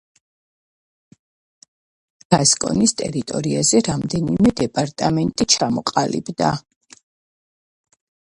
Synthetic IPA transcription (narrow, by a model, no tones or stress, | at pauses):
ɡ̥askʼɔ̰nist̪ʼɛɾit̪ʼɔɾiazɛɾamd̪ɛnimɛd̪ɛpʼaɾt̪ʼamɛnt̪ʼit͡ʃʰamɔqʼalḭbd̪a